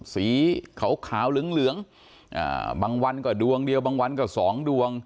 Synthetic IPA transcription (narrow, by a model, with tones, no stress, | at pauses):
siː˨˩˦kʰa˨˦wkʰaː˩˦wlɯ˨˩˦əŋlɯ˨˦əŋ | ʔa̰ː˨˧˩baː˧ŋwa˧nkɔː˥˩du˧əŋdi˧əwbaː˧ŋwa˧nkɔː˥˩sɔː˩˦ŋdu˧əŋ